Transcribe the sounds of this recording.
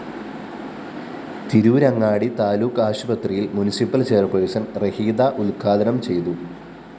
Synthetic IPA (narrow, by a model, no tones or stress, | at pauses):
t̪iɾuːɾɐŋːaːɽit̪aːluːkːaːɕubɐt̪rijilmunisipːɐlt͡ɕejɐrpoɻisɐnrehiːd̪aʔulkʰaːd̪ɐnɐmt͡ɕe̞jt̪u